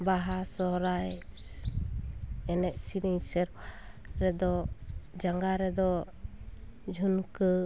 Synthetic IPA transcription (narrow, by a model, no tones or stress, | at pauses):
baɦasɔɦɾaj | ɛnɛʔ̚sinisɛɾ | ɾɛd̪ɔd͡ʒaŋɡaɾɛd̪ɔ | d͡ʒʱunkə